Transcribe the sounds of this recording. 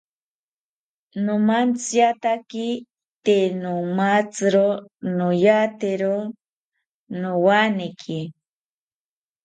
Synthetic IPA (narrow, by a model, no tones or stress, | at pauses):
nomant͡sjat̪aki | t̪enomat͡sɨɾonojat̪eɾo | nowanekʰi